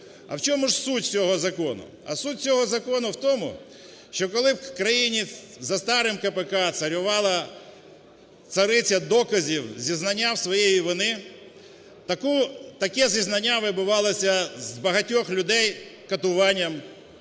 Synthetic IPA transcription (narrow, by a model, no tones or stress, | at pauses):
ɐ̰wt͡ʃɔmʊʒsutʲt͡sʲɔɦɔzɐkɔnʊ̰ɐ̰sutʲt͡sʲɔɦɔzɐkɔnʊwt̪ɔmʊ̰ | ʃt͡ʃɔkɔlˠɪwkɾɐjinʲizɐst̪ɑɾɪmkɐpekɑsɐɾʲʊʋɑlˠɐ | t̪sɐɾɪt͡sʲɐd̪ɔkɐzʲiwzʲiznɐnʲːawsʋɔjejiʋɔnɪ | t̪ɐkut̪ɐkɛzʲiznɐnʲːaʋɪbʊʋɑlˠɔsʲɐzbɐɦɐtʲɔxlʲʊd̪ɛjkɐt̪ʊʋɑnʲːɐm